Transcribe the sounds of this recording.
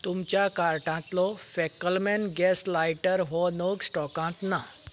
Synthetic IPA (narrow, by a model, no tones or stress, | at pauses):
t̪umt͡ɕjakaɾʈãt̪lɔfɛkːəlmɛ̃nɡɛslajʈəɾɦɔnoɡsʈɔkãt̪na